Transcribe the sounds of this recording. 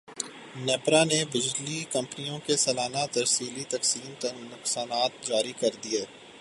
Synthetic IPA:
nɛːpɾanebɪd͡ʒlikɐ̃mpənijõkesɐlaːnat̪ɐɾsiːlit̪ɐksiːnt̪ɐɾnʊqsaːnaːt̪̚d͡ʒaːɾikɐɾd̪ieː

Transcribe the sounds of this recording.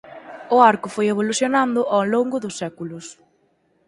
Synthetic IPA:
ʊaɾkʊfojeβ̞oluθjonãnd̪ʊʔawloŋɡʊðʊsːɛkulʊs

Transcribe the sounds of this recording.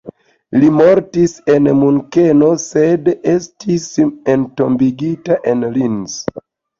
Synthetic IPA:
limo̞ɾtise̞nmuŋke̞no̞se̞destisentombiɡitaʔenlins

